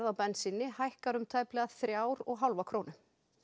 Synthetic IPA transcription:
ɾðawpɛnːsɪnːɪhajhkaɾʏmt̪ʰaːjplɛɣaðθɾjaːwɾɔɣɦawlvakʰɾoːwnʏ

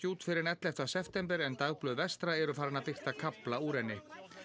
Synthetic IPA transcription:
uːt̪fɪɾɪɾnɛt̪lɛft̪asɛft̪ɛmpɛɾɛnt̪awplœːðvɛst̪ɾaɛɾʏfaːɾɪnapɪxt̪akʰaplauːɾɛnːɪ

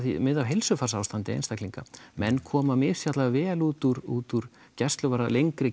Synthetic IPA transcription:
θimɪðawɦejlsʏfarsaːwst̪ant̪ɪḛjnst̪akliŋka̰mɛnːkʰɔːmamɪ̥sjat̪lavɛːluːt̪uɾuːt̪uɾ̥ | cɛst̪lʏvaɾalejŋkɾɪ

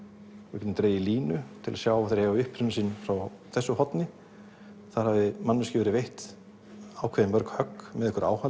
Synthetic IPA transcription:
ɛcɪnɪmt̪ɾeːjɪliːnʏt̪ʰɪlasjaːwaθaɾɛvaʏhpɾɪnʏsɪnːfɾaw | θɛsːʏhɔt̪nɪ | θaðɾhavðɪmanːʏscɪːvʏɾɪvejht̪ | aːwkʰvɛðɪnmpœɾkhœkːmɛðɛhkʏɾa̰ːwha

